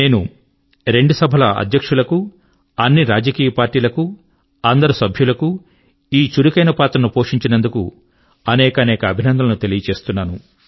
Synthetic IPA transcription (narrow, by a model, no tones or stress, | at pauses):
ne̞ːnu | ɾe̞ɳɖusɐbʱɐlɐɐ̰d̪ʱjɐkʂulɐku | ɐnːiɾaːd͡ʒɐkiːjɐpaːɾʈiːlɐku | ɐnd̪ɐɾusɐbʱjulɐku | iːt͡ʃuɾukɐjnɐpaːt̪ɾɐnupo̞ːʂiɲt͡ʃinɐnd̪ukṵ | ɐnɛːkɐnɛːkɐːbʱinɐnd̪ʱɐlɐnut̪e̞lijɐt͡ʃe̞ːst̪unːaːnu